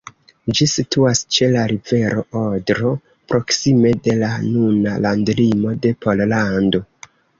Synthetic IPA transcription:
d͡ʒisitʰuast͡ʃe̞laɾive̞ɾo̞ʔodɾo̞ | pɾo̞ksime̞de̞lanunalandlimo̞de̞po̞llando̞

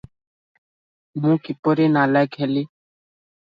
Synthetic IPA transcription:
mũːkɪpoɾeːnaːlaːjkʰeːliː

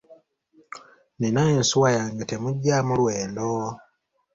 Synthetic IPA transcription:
ninaensuwajaːŋɡate̞muɟːamulweːndo

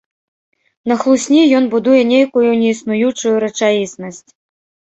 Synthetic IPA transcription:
nɐxlˠusʲnʲijɔnbud̪ujɛnʲejkujunʲɛisnujut͡ʂujuɾɐt͡ʂajisnɐsʲt͡sʲ

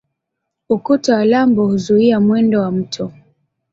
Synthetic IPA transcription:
ukutawalambɔhuzuiamwɛndɔwam̩tʰɔ

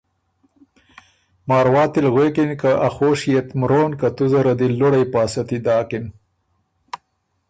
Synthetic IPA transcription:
mɑːɾwɑːt̪ilɣweːkinkaʔaxoːʃijet̪mɾoːnkɐt̪uzɐɾɐd̪ilʊɽajpɑːsɐt̪id̪ɑːkɪn

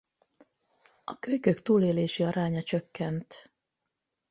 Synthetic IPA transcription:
ɒ̰køjkøkt̪uːleːleːʃiɒɾaːɲɒt͡ʃøkːɛnt̪

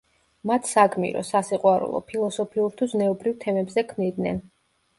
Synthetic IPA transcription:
mat̪ʰsakʰmḭɾɔ̰sasiqʼwaɾṵlˠɔ̰pʰilˠɔsɔpʰiuɾt̪ʰuznɛɔbɾivt̪ʰɛmɛbzɛkʰmnid̪nɛn

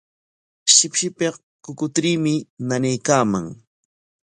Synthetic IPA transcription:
ʃɪpʃɪpeq | kʊkʊt̪ɾiːmɪnanajkaːma̰ŋ

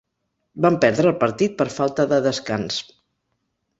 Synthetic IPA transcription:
bampɛɾðɾəːlˠpəɾt̪it̪̚pəɾfalˠt̪əðəðəskans

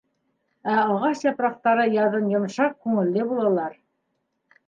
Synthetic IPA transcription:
æɑʁɑʃjɑpɾɑq̚t̪ɑɾɤjɑɾðɤmjŏmʃɑq̚kʉŋɘ̆lːɘbulˠɑlˠɑɾ

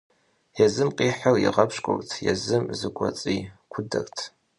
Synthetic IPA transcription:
jɛzɨmqʼiːħarjɪ̰ʁɐpɕkʷʼʊ̰rʼtʰjɛ̰zɨmzɨkʷʼɔt͡sʼiːkʷʰʊdɐrtʰ

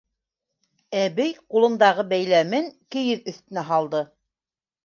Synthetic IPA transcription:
æβɘjqulˠɤ̆nd̪ɑʁɤbæjlæmɘŋkɘ̆jɘðɵ̆θt̪ɘ̆næɦɑlˠd̪ɤ

